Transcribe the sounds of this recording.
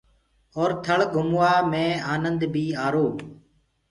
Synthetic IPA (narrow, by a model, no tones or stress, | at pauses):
oːɾt̪ʰəɭɡʱʊmʋaːmẽːaːnənd̪bʱiːaːɾoː